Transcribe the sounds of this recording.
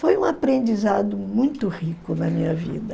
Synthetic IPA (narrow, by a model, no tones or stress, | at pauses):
fojũapɾẽnd͡ʒizad̪ʊmũj̃t̪ʊhikʊnɐmĩɲɐvḭd̪ɐ